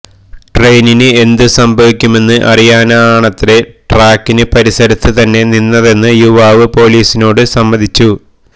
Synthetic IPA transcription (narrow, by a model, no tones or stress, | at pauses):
ʈre̞jninɨe̞nd̪ɨsɐmbʱɐʋikʲːume̞nːɨʔɐ̰rijaːnaaːɳɐt̪ːiɾe̞ʈraːkːinɨpɐɾisɐɾit̪ːɨt̪ɐnːe̞ninːɐðe̞nːɨjuʋaːʋɨpo̞ːliːsino̞ːɽɨsɐmbɐd̪ʱit͡ɕːu